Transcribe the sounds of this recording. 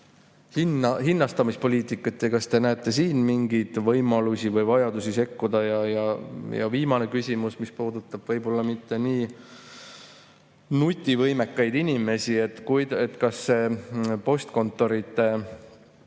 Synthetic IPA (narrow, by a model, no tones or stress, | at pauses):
hinɑɦinːɑst̪ɑmispo̞liːt̪ˑikːˑɑt̪ːekɑst̪e̞næet̪ːˑe̞siːnmiŋɡijd̪̥vɤjmɑlusʲivɤjvɑjɑd̪usʲise̞kːud̪ɑjɑjɑjɑ̰viːmɑne̞kysʲimusmispuːd̪̥ut̪ːˑɑb̥vɤjbo̞lːɑmit̪ːe̞niː | nut̪ʲːˑivɤjme̞kːɑjd̪inʲime̞sie̞t̪ːkujd̪et̪ːkɑsːe̞po̞st̪ko̞nt̪ːˑo̞ɾit̪ːˑe